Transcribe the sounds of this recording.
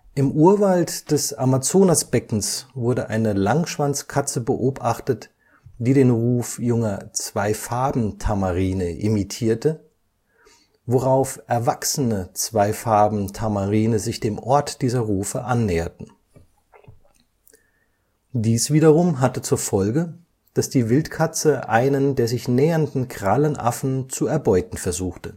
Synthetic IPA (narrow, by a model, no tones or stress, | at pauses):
ʔɪmʔuːɐvaltd̥ɛsamat͡soːnasb̥ɛkŋ̩svʊɐdəʔa̰ɪnəlaŋʃv̥ant͡skʰat͡səbəʔoːpʔaχtət | d̥iːɾeːnʁuːfjʊŋɐt͡sv̥aɪfaɐbm̩tʰamaʁiːnəʔɪmitʰiːɐtə | voʁaʊfʔɛɐvaksənət͡sv̥aɪfaɐbm̩tʰamaʁiːnəzɪçd̥eːmʔɔɐtd̥iːzɐʁuːfəʔanːɛːɐtn̩ | d̥iːsv̥iːdɐʁʊmɦatət͡suːɐfɔlɡə | d̥asd̥iːvɪltkʰat͡səʔaɪnəndeːɐzɪçnɛːɐndn̩kʁ̥alənʔa̰fn̩t͡suɛɐbɔʏtn̩fɛɐzuːxtə